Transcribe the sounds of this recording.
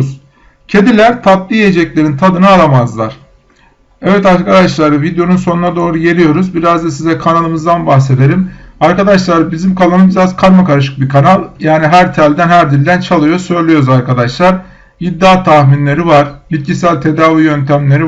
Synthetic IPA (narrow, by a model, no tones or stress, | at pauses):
z̥ | cʰe̞d̪ilʲæɾt̪ʰap̚lijed͡ʒɛclʲe̞ɾint̪ʰad̪ɯnaaɾamazlˠa̰ɾ̥ | ɛvɛt̪aɾkʰad̪aʃlˠaɾɯvid̪ejo̞nunso̞nunad̪o̞ːɾuje̞ɾʲijo̞ɾuzbiɾazd̪asizɛkʰanalˠɯmɯzd̪anbaxse̞d̪e̞ɾimaɾkad̪aʃlˠaɾɯbizimkʰalˠanɯbiɾazkʰaɾmakaɾaʃ̬ɯ̥k̚bikʰanalˠjaːniɦæɾt̪ʰælʲd̪ænhæɾd̪ilʲd̪ænt͡ʃʰalˠɯjo̞sø̞jlʲyjo̞ɾuzaɾkʰad̪aʃlˠaɾ | bid̪ːaːt̪ʰahminlʲe̞ɾivaɾ̥bit̪̚cʰisælʲt̪ʰe̞d̪aːvijønt̪ʰæmlʲe̞ɾi